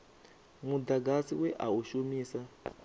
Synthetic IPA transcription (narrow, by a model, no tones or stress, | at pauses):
mud̪aɡasiwɛʔauʃumiːsa